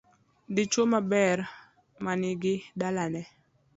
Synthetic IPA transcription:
dɪt͡ʃomabɛr | manɪɡɪdalanɛ

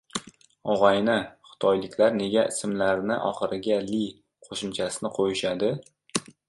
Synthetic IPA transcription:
ɒʁɒjnɪχɪ̥t̪ʰɒjlɪkʲlaɾne̞ɡʲaʔɪsɪmlaɾnɪʔɒ̰χɨɾɪɡʲali | qʰoʃʊmt͡ʃʰasɪnɪqʰojɪʃad̪ɪ

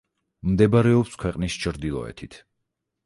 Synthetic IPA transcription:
md̪ɛbaɾɛɔpskʰwɛqʼnist͡ʃʰɾd̪ilˠɔ̰ɛ̰t̪ʰit̪ʰ

